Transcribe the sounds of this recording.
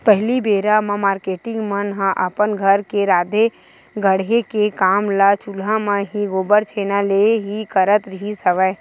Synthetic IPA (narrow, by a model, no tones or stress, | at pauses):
pɛɦlibeːɾamãmaːɾkeːʈɪ̃ŋɡmənɦãʔəpənɡʱəɾkeɾaːd̪e | ɡəɽekekaːmlaːt͡ʃulamãɦiɡoːbəɾt͡ʃʰeːnaleɦikəɾət̪ɾɪɦisəʋə